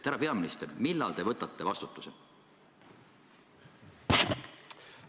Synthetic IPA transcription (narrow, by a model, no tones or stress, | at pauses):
æɾɑpe̞ɑminist̪ermilːɑ̰lt̪e̞vɤt̪ːˑɑt̪ːe̞vɑst̪u̥t̪ːˑu̥se